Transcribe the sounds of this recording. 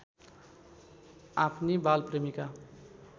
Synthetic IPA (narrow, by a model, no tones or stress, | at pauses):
apʰnibalpremika